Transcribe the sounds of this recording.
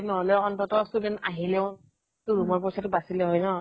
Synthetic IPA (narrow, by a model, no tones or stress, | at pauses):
nɔɦɔlɛɔntɔtɔsubɛnaɦilɛʊ | tuɹumɔɹp̬ɔjsatʊbasilɛɦɔjnɔ